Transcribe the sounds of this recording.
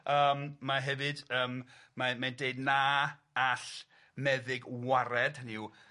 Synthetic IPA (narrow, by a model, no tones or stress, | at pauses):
əːmmaɦɛvɨdəːmmamandeɨdna | aɬ | mɛðɪɡwaɾɛd̥həniu